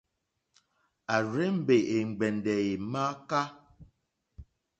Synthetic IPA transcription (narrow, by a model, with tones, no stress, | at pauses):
a˨ɾe˦m̩˦˨be˨ʔe˨ŋ͡m̩˨ɡ͡bɛ˨ndɛ˨e˨ma˦ka˦